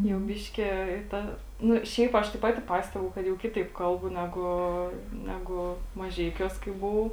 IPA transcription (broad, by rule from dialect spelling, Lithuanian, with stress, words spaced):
jɛʊ ˈbʲɪʃʲkʲɛ ɪ ˈtɐ ˈnʊ ˈʃʲɛɪp ˈɐʃ tɐɪ ˈpɑːtʲɪ ˈpɑːsʲtʲɛbʊ kɐt jɛʊ ˈkʲɪtɐɪp ˈkɐlˠbʊ ˈnʲæːɡʊ ˈnʲæːɡʊ mɐˈʒʲɛɪkʲuɔs kɐɪ bʊˈʋɐʊ